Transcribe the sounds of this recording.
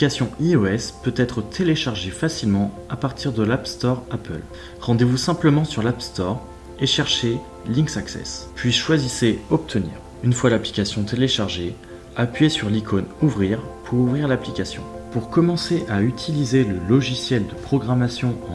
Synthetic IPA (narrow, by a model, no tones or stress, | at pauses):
kasjɔ̃iɔɛspøt̪ɛt̪χət̪ʰeleʃaʁʒefasilmɑ̃apaʁt̪ʰiʁd̪əlapst̪ɔʁapə̰l | ʁɑ̃d̪evusɛ̃pləmɑ̃syʁlapst̪ɔʁ | eʃɛʁʃe | lĩksaksɛ̰spɥiʃwaziseɔp̚t̪ʰənḭːʁ | ynfwalaplikʲasjɔ̃t̪ʰeleʃaʁʒe | apɥjesyʁlikʰɔnuvʁiʁpʰuʁuvʁiʁlaplikʲasjɔ̰̃puʁkɔmɑ̃seʔayt̪ʰilizeləlɔʒisjɛld̪əpχɔɡʁamasjɔ̃ɑ̃